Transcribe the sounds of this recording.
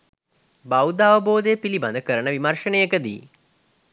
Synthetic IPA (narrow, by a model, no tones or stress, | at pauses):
bawd̪aːʋəboːd̪epiliba̰nd̪əkəɾəɳəʋimɐrʂənəjəkəd̪ḭː